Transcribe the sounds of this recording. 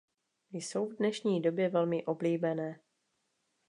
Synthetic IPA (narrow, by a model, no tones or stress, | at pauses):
jso̞wvdnɛʃɲiːdo̞bjɛvɛlmɪʔo̞bliːbɛnɛː